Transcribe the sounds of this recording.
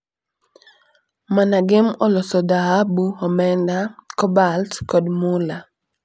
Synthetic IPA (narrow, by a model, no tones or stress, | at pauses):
manaɡɪmɔlɔsɔdaɦabuhɔmɛndakɔbaltkɔdmula